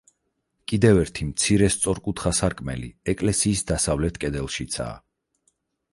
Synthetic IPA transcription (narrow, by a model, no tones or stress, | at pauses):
kʼid̪ɛvɛɾt̪ʰimt̪sʰiɾɛst̪sʼɔɾkʼut̪ʰχasaɾkʼmɛ̰lḭɛkʼlɛsiːsd̪asavlɛt̪ʰkʼɛd̪ɛlˠʃit̪sʰa̰ː